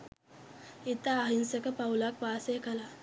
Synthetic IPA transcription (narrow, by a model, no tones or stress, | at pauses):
it̪aːɦinsəkəpawulak̚pasekala